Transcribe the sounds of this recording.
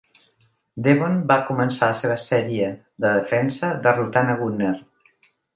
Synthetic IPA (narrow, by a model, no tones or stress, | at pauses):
d̪eβonbakumənsaləseβ̞əsɛɾiə | ðəðəfɛnsəðərut̪anəɣuner